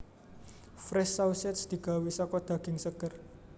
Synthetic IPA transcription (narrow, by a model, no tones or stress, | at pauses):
fɾɛsawsɛt̪sd̪̥i̤ɡ̥a̤wisɔkɔd̪̥ä̤ɡ̥ɪŋsəkər